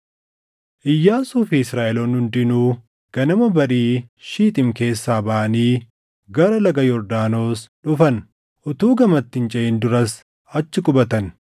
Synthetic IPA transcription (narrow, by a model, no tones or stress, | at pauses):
ʔɪjːaːsuːfiɪsɾaːʔɛloːnhʊnd̪ɪnuː | ɡ̥ɐnɐmɐbɐɾiːʃiːt̪ʼɪmke̞ːsːaːbɐʔɐniː | ɡɐɾɐlɐɡɐjɔɾd̪aːno̞ːsᶑʊfɐn | ʔʊt̪uːɡɐmɐt̪ːɪnt͡ʃʼɛʔɪnd̪ʊɾɐs | ɐt͡ʃːɪkʼʊbɐt̪ɐn